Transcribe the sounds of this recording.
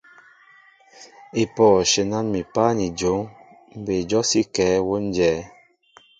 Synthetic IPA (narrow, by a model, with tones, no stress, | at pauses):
e˨pɔː˨ʃe˨na˦nmi˨pa˦ni˨d͡ʒo˨˦ŋ | m̩˦be˨d͡ʒɔ˦si˦kɛː˨˦wo˦n˦d͡ʒɛː˨˦